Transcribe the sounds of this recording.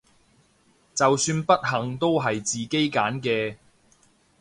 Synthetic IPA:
t͡sɐ˨wsyː˧npɐ˥t̚ɦɐ˨˩ŋt̪o˥wɦɐ˨jt͡siː˨˩ke˥jkaː˨˥nkɛː˧

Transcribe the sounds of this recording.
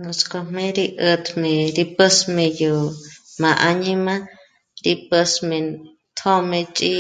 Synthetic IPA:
no˧sko˧mẽ˦ɾi˧ʔə˧t̪me˨ɾi˧pə˦sme˧jo˨ma˨ʔa˧ni˦ma˦ | ɾi˧pə˧sme˧ | t̪ʰo˦me˧t͡ʃʼi˦

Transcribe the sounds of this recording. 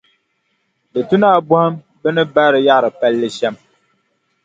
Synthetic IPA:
dɨ˨tu˦naː˦˨bʊ˦hɨ˦m | bɨ˦nɨ˦ba˦ɾɨ˨ja˦ʔɾɨ˨pa˦lːɨ˦ʃɛ˦m

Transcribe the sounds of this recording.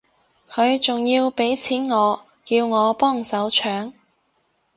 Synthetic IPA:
kʰɵ˨˧ɥt͡sʊ˨ŋjiː˧wpe˨˥jt͡sʰiː˨˥nŋɔː˨˧ | kiː˧wŋɔː˨˧pɔː˥˩ŋsɐ˨˥wt͡ʃʰœː˨˥ŋ

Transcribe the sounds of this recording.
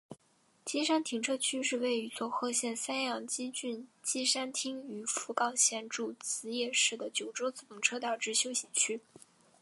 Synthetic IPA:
t͡ɕi˥ʂa˥nt̪ʰi˧˥ŋʈ͡ʂʰɤ˥t͡ɕʰy˥ʂɻ̩˥˧we˥˩ɪy˧˥t͡swɔ˥˧xɤ˥˧ɕjɛ˥˩nsa˥njɑ˥˩ŋt͡ɕi˥t͡ɕy˥˧nt͡ɕi˥ʂa˥nt̪ʰi˥ŋy˧˥fu˧˥kɑ˥˩ʊɕjɛ˥˧nʈ͡ʂu˥˩t͡sɹ̩˧˥jɛ˥˩ʂɻ̩˥˩d̪ə˩t͡ɕjo˨˩ʊʈ͡ʂo˥ʊt͡sɹ̩˧˩u˧˥ŋʈ͡ʂʰɤ˥t̪ɑ˨˩ʊʈ͡ʂɻ̩˥˩ɕjo˥ʊɕɛ˨˩nt͡ɕʰy˥

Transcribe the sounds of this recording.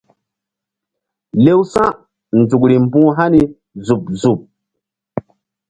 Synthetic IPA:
le˦wsã˦ | n˨d͡zu˨kɾi˨mbũ˦ɦa˦ni˨ | zu˨pzu˨p̚

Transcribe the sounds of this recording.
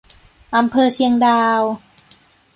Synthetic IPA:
ʔa˧mpʰɤː˧t͡ɕʰi˧əŋdaː˧w

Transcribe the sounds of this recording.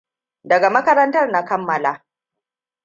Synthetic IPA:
dɐ˨ɡa˨mɐ˦kɐ˦ɾɐ˦ntɐ˦rna˦kɐ˦mːɐ˨laː˨˦

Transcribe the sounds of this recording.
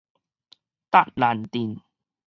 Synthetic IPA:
t̪a˦˥˩t̚la˨˩nt̪i˨˩n

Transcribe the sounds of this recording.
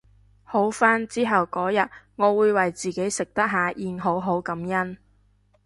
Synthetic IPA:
ho˨˥wfaː˥nt͡siː˥ɦɐ˨wkɔː˨˥jɐ˨t̚ŋɔː˨˧wuː˨˧jwɐ˨jt͡siː˨˩ke˨˥jsɪ˨k̚t̪ɐ˥k̚ɦaː˨jiː˨˧nɦo˨˥wɦo˨˥wkɐ˨˥mjɐ˥n

